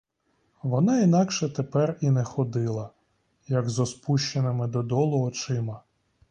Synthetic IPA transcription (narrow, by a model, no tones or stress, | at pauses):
ʋɔnɑinɑkʃɛt̪epɛrinɛxɔd̪ɪlˠɐ | jɐɡzɔspuʃt͡ʃenɪmɪd̪ɔd̪ɔlˠɔɦɔt͡ʃɪmɐ